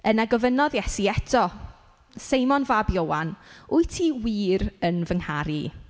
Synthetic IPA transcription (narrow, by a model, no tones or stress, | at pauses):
ənaɡɔvənɔðjɛsiɛtʰɔ | sejmɔnvabjowanʊjtʰiwiːɾənvəŋhaɾi